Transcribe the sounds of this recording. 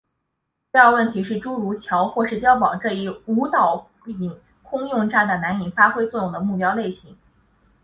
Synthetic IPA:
a˥˧wə˥˩nt̪ʰi˧˥ʂɻ̩˥˩ʈ͡ʂu˥ɻu˧˥t͡ɕʰjɑ˧˥ʊxwɔ˥˧ʂɻ̩˥˩t̪jɑ˥ʊp̬ɑ˨˩˦ŋʈ͡ʂɤ˥˧i˥˩u˧˥t̪ɑ˨˩ʊ | i˨˩˦ŋ | kʰʊ˥ŋjʊ˥˧ŋʈ͡ʂa˥˩d̪ə˩na˧˥ni˨˩ŋfa˥xwe˥ɪt͡swɔ˥˧jʊ˥˩ŋd̪ə˩mu˥˩pjɑ˥ʊle˥˩ɪɕi˧˥ŋ

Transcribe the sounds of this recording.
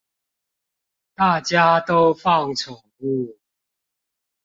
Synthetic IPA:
t̪a˥˨t͡ɕja˦t̪o˦ʊfɑ˥˨ŋt͡sʰɔ˨˩u˥˨

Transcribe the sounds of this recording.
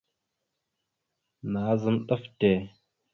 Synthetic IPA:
naː˨˦zə˦mɗə˦fte˨

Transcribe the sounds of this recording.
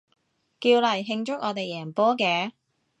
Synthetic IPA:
kiː˧wlɐ˨˩jɦɪ˧ŋt͡ʃʊ˥k̚ʔɔː˨˧t̪e˨jːɛː˨˩npɔː˥kɛː˨˧

